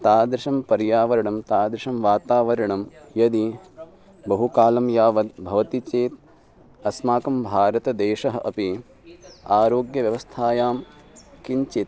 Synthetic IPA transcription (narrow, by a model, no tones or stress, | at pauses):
t̪aːd̪ɾɪʂɐmpɐɾjaːʋɐɾɐɳɐmt̪aːd̪ɾiʂɐmʋaːt̪aːʋɐɾɐɳɐmjɐd̪i | bɐɦukaːlɐmjaːʋɐd̪̚bʱɐʋɐt̪it͡ʃeːt̪̚ | ɐsmaːkɐmbʱaːɾɐt̪ɐd̪eːʃɐɦɐʔɐpi | aːɾoːɡjɐʋjɐʋɐst̪ʰaːjaːm | kiɲt͡ʃit̪̚